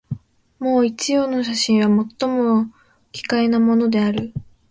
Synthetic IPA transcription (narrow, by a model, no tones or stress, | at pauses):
mo̞ːit͡ɕijo̞ːno̞ɕ̬aɕĩɰ̃βamo̞t̪ːo̞mo̞ | kʲi̥kae̞namo̞no̞d̪e̞aɾɯ̟